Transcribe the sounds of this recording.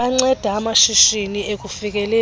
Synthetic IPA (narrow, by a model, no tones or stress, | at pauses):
aŋ͡ǀɛd̥ʱaːmaʃiʃiniek̬ʼufik̬ʼɛlɛ